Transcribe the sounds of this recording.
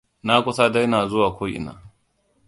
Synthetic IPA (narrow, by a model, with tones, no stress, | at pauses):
na˦kʷʼʊ˦sa˦da˦jnaː˨zʊ˦waː˨kʷoː˦jʔɪ̰˨na̰ː˨